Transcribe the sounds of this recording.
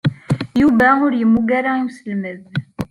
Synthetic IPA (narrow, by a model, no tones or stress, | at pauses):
juvæʊɾjəmːuɡaɾaimsəlməð